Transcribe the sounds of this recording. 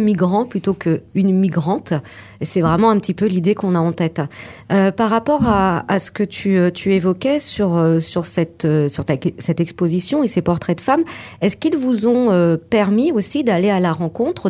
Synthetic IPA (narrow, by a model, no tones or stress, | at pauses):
miɡʁɑ̃plyt̪okəynmiɡʁɑ̃t̪ | esɛvʁɛmɑ̃ɛ̃pət̪ipølid̪ekɔ̃naɑ̃t̪ɛt̪øpaʁːapɔʁaːsə̥kət̪ʰyøt̪ʰyevɔkʲɛsyʁøsyʁsɛt̪øsyʁt̪asɛt̪ɛkspozisjɔ̃esepɔʁt̪χɛd̪əfamɛskilvuzɔ̃øpɛʁmiosid̪alealaʁɑ̃kɔ̃t̪χə